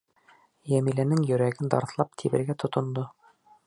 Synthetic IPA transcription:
jæmilænɘŋjɵ̆ɾæɡɘnd̪ɑ̰ɾθlˠɑp̚t̪ʰiβɘ̆ɾɡæt̪ʰŏt̪ŏnd̪o

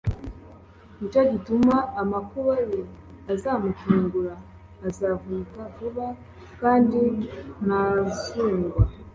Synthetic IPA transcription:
mut͡ʃaɟitumaːmakuβaje | azamutuːŋɡuɾaː | zavuːkavuβa | kaːndinazuːŋɡwa

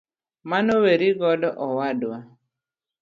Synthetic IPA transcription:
manoweɾiɡɔdɔʔɔwadwa

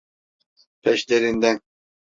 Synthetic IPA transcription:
pʰɛʃleɾind̪ɛn

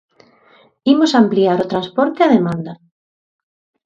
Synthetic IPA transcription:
imosampliaɾot̪ɾanspɔɾt̪eaðemãnd̪ɐ

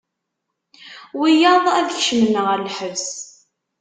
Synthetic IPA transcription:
wijɑðˤæðçʃəmənʁəɾlħəvs

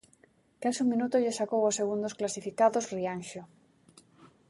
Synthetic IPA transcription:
kasuŋmĩnut̪oʎesakowoseɣ̞und̪osklasifikaðosrianʃo

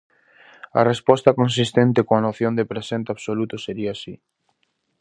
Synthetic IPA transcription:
ɐ̰respɔst̪ɐkons̬ist̪ent̪ɪkõɐnoθjõnd̪epɾesent̪eaβsolut̪ʊseɾiasi

